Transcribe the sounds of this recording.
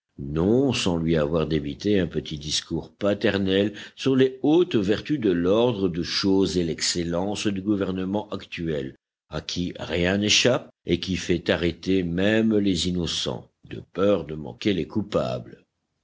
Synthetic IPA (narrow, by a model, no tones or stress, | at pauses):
nɔ̃sɑ̃lɥiavwaʁd̪ebit̪eɛ̃pət̪ʰid̪iskuːʁpat̪ɛʁnɛlsyʁleot̪vɛʁt̪yd̪əlɔʁd̪ʁəd̪əʃozelɛkselɑ̃sd̪yɡuvɛʁnəmɑ̃ʔakt̪yɛl | akʲʰiʁjɛ̃neʃap̚ekʲifɛt̪aʁet̪emɛmlezinɔsɑ̰̃ | d̪̥ə̰pœʁd̪əmɑ̰̃kelekupa̰blə